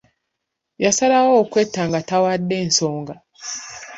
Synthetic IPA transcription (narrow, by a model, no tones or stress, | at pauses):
jasalawoːkwe̞tːaːŋɡatawadːe̞ːnso̞ːŋɡa